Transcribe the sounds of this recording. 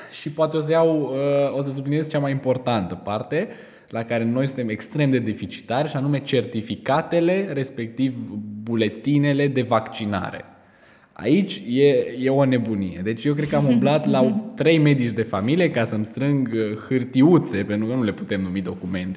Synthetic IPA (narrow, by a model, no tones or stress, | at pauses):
ʃipoat̪eo̞s̬əjawəo̞səs̬ubline̞zt͡ʃamajimpo̞rt̪ant̪əpart̪e̞ | lakaɾe̞no̞jsunt̪e̞me̞kst̪ɾe̞md̪e̞d̪ifit͡ʃi̥t̪arʲʃianume̞t͡ʃe̞rt̪ifikat̪e̞le̞ɾe̞spe̞k̚t̪ivbule̞t̪ine̞le̞d̪e̞vakt͡ʃina̰ɾe̞̰ | a̰it͡ʃʲje̞je̞o̞ne̞bunije̞̰d̪e̞t͡ʃʲje̞wk̬ɾe̞d̪̚kəamumblat̪lat̪ɾe̞jme̞d̪it͡ʃd̪e̞familije̞kasəmst̪ɾɨŋɡəxɨrt̪iut̪se̞pent̪ɾukənule̞put̪e̞mnumid̪o̞kume̞nt̪e